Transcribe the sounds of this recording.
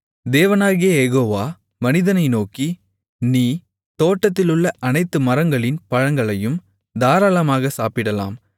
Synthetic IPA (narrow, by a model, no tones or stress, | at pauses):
d̪eːʋɐnaːɣɪjɐjɛɣoːʋaː | mɐnɪðɐnɐɪnoːki | niː | t̪oːʈːɐt̪ːɪlɯɭːɐʔɐnɐɪt̪ːɯmɐɾɐŋɡɐɭɪnpɐɻɐŋɡɐɭɐjɯm | d̪aːɾaːlɐmaːɣɐsaːpɪɽɐla̰ːm